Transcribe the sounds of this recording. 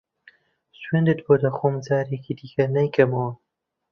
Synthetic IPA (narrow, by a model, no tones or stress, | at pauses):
swend̪ɨt̪boːd̪ɐxoːmd͡zaːɾekid̪ikɐnɐjkɐmɐwɐ